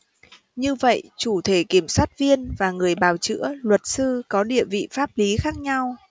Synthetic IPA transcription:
ɲɨ˧və̰˧˨jt͡ɕu˧˩t̪ʰe˧˩ki˧˩əmswaː˦˥t̚vi˧ənvaː˨˩ŋɨ˨˩əjɓaː˨˩wt͡ɕɨ̰˧˥əlwə˨˩t̚sɨ˧kɔ˨˦ɗḭ˧˨əvḭ˧˨faː˦˥p̚li˨˦xaː˦˥k̚ɲa˧w

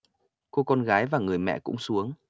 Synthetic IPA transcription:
ko˧kɔ˧nɣaː˨˦jvaː˨˩ŋɨ˨˩əjmɛ̰˧˨kʊ̰˧˥ŋ͡msu˨˦əŋ

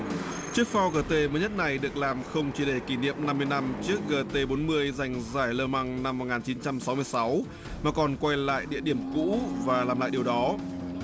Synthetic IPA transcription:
t͡ɕɨ˦˥ək̚fa˧wɣəː˧˩t̪e˧məː˨˦jɲə˦˥t̚na˨˩jɗɨ˨˩ək̚laː˨˩mxə˧wŋ͡mt͡ɕi˧˩ɗe˧˩ki˧˩nḭ˧˨əmna˧mːɨ˧əjna˧mt͡ɕɨ˦˥ək̚ɣəː˧˩t̪e˧ɓo˨˦nmɨ˧əjza˨˩jŋ̟zaː˧˩jləː˧ma˧ŋna˧mːo˨˩t̚ŋaː˨˩nt͡ɕi˨˦nt͡ɕa˧msa˨˦wmɨ˧əjsa˨˦w | maː˨˩kɔ˨˩nkwa˧jla̰ː˧˨jɗḭ˧˨əɗi˧˩əmkṵ˧˥vaː˨˩laː˨˩mla̰ː˧˨jɗi˨˩ə˩wɗɔ˨˦

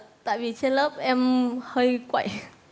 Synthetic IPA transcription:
t̪a̰ː˧˨jvi˨˩t͡ɕe˧nləː˦˥p̚ʔɛ˧mhəː˧jkwa̰˧˩˨j

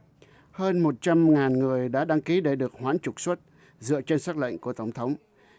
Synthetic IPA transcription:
həː˧nmo˨˩t̚t͡ɕa˧mŋaː˨˩nŋɨ˨˩əjɗa̰ː˧˥ɗa˧ŋki˨˦ɗe˧˩ɗɨ˨˩ək̚hwaː˨˦nt͡ɕʊ˨˩k̚swə˦˥t̚ | zɨ̰˧˨ət͡ɕe˧nsaː˦˥k̚lə̰˧˨ŋ̟ku˧˩ət̪ə˧˩wŋ͡mt̪ʰə˨˦wŋ͡m

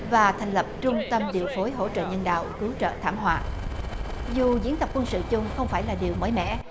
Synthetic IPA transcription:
vaː˨˩t̪ʰa˨˩jŋ̟lə˨˩p̚t͡ɕʊ˧ŋ͡mt̪ə˧mɗḭ˨˩əwfo˨˦jɦo̰˧˥t͡ɕə̰ː˧˨ɲə˧nɗa̰ː˧˨wkɨ˨˦wt͡ɕə̰ː˧˨t̪ʰaː˧˩mɦwa̰ː˧˨ | zu˨˩zḭ˨˦ənt̪ə˨˩k͡p̚kwə˧nsɨ̰˧˨t͡ɕʊ˧ŋ͡mxə˧wŋ͡mfaː˧˩jlaː˨˩ɗi˨˩əwməː˨˦jmɛ̰˧˥

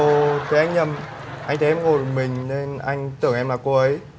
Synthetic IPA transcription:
o˨˩t̪ʰə˨˦ʔa˧jŋ̟ɲə˨˩m | ʔa˧jŋ̟t̪ʰːʔɛ˧mŋo˨˩˨mï˨˩ŋ̟ne˧nʔa˧jŋ̟t̪ɨ˧˩əŋʔɛ˧mla˨˩ko˧ʔə˨˦j

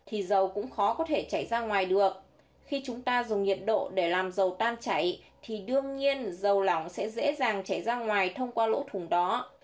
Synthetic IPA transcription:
t̪ʰi˨˩zə˨˩wkʊ̰˧˥ŋ͡mxɔ˨˦kɔ˨˦t̪ʰe˧˩t͡ɕa˧˩jzaː˧ŋwaː˨˩jɗɨ˨˩ək̚ | xi˧t͡ɕʊ˨˦ŋ͡mt̪aː˧zʊ˨˩ŋ͡mɲḭ˧˨ənɗo̰˧˨ɗe˧˩laː˨˩mzə˨˩wt̪aː˧nt͡ɕa˧˩j | t̪ʰi˨˩ɗɨ˧əŋɲi˧ənzə˨˩wla˧˩wŋ͡msɛ̰˧˥zḛ˧˥zaː˨˩ŋt͡ɕa˧˩jzaː˧ŋwaː˨˩jt̪ʰə˧wŋ͡mkwaː˧lo̰˧˥t̪ʰʊ˨˧˩ŋɗɔ˨˦

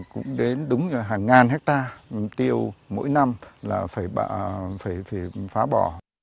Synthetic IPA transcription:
kʊ̰˧˥ŋ͡mɗe˨˦nɗʊ˨˦ŋ͡mzə˨˩ɦaː˨˩ŋːaː˨˩nɦɛ˦˥k̚t̪aː˧t̪i˧˩əwmo̰˧˥jna˧mlaː˨˩faː˧˩jɓ̰faː˧˩jfaː˧˩jfaː˨˦ɓɔ˧˩

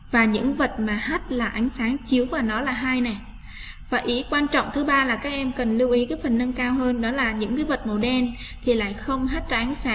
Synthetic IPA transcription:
vaː˨˩ɲɨ̰˧˥ŋvə˨˩t̚maː˨˩haː˦˥t̚laː˨˩ʔa˨˦ŋ̟saː˨˦ŋt͡ɕi˨˦əwvaː˨˩wnɔ˨˦laː˨˩ɦaː˧jnɛ˨˩ | vaː˨˩ʔi˨˦kwaː˧nt͡ɕɔ̰˧˨ŋ͡mt̪ʰɨ˨˦ɓaː˧laː˨˩kaː˦˥k̚ʔɛ˧mkə˨˩nli˧wʔi˨˦kaː˨˦jfə˨˩nnə˧nkaː˧wɦəː˧nɗɔ˨˦laː˨˩ɲɨ̰˧˥ŋkaː˨˦jvə˨˩t̚mo˨˩ɗɛ˧nt̪ʰi˨˩la̰ː˧˨jxə˧wŋ͡mɦaː˦˥t̚zaː˨˧ʔa˨˦ŋ̟saː˨˦

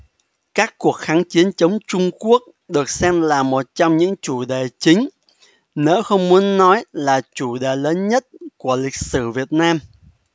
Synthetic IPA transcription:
kaː˦˥kːu˨˩ək̚xaː˨˦nt͡ɕi˨˦ənt͡ɕə˨˦wŋ͡mt͡ɕʊ˧ŋ͡mku˦˥ək̚ | ɗɨ˨˩ək̚sɛ˧mlaː˨˩mo˨˩t̚t͡ɕɔ˧wŋ͡mɲɨ̰˧˥ŋt͡ɕu˧˩ɗe˨˩t͡ɕï˨˦ŋ̟ | nḛ˧˥wxə˧wŋ͡mmu˨˦ənːɔ˨˦jlaː˨˩t͡ɕu˧˩ɗe˨˩ləː˨˦nɲə˦˥t̚ku˧˩əlï˨˩k̚sɨ˧˩vi˨˩ət̚naː˧m

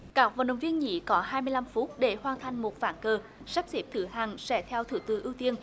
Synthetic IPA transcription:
kaː˦˥k̚va̰˧˨nɗə˨wŋ͡mvi˧ənɲḭ˧˥kɔ˨˦ɦaː˧jmɨ˧əjla˧mfu˦˥t̚ɗe˧˩hwaː˧nt̪ʰa˨jŋ̟mo˨˩t̚vaː˧˩nkəː˧˩ | sa˦˥p̚zi˦˥p̚t̪ʰɨ˧˩ɦaː˨˩ŋsɛ̰˧˩t̪ʰɛ˧wt̪ʰɨ̰˧˩t̪ɨ̰˧˩ʔi˧wt̪i˧ən

